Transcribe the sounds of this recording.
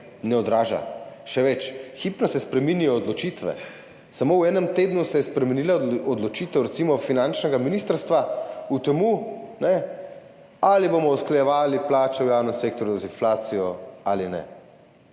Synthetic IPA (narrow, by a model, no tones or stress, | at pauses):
nɛɔd̪ɾaːʒa̰ʃɛʋɛt͡ʃxiːpnɔsɛspɾɛminijɔːd̪lɔt͡ʃit̪ʋɛ̰ | samowɛːnɛmt̪eːd̪nusɛjɛspɾɛmɛniːlaɔd̪lɔt͡ʃiːt̪ɛwɾɛt̪simɔfinant͡ʃnɛɡaminiːst̪əɾst̪ʋaut̪ɛmunɛ | alibomɔusklɛjɛʋaːliplaːt͡ʃɛwjaːwnɛmsek̚t̪ɔɾjuzinflaːt̪sijɔalinɛ̰